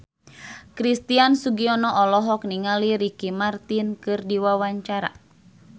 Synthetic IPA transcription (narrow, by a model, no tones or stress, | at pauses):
kɾist̪iansuɡiɔnɔʔɔlɔɦɔk̚niŋaliɾikimart̪inkɨrdiwawaɲt͡ʃaɾa̰